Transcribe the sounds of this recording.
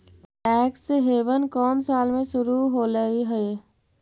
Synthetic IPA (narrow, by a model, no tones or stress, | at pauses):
ʈɛːkseɦeːʋənkɔːnsaːlmẽʃʊɾuɦoləiɦɛe